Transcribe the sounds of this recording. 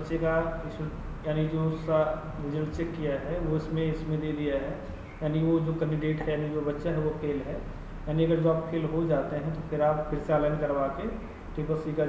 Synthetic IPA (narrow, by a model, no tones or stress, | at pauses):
tːʃekaɪs | jaːnid͡ʒosa | ʋɪd͡ʒəlt͡ʃekːijaɦɛʋoɪsmẽɪsmẽd̪eːd̪ijaɦɛ | jaːniʋod͡ʒoːkə̃ɳɖɪɖeːʈɦɛjaːnid͡ʒoːbɐtːʃaɦɛʋokʰeːlɦɛ | jaːniɐɡəɾd͡ʒoaːp̚kʰeːlɦod͡ʒaːt̪eɦɛ̃t̪opʰɪɾaːppʰɪɾsealənkɐɾbaːke | ʈeːpəsika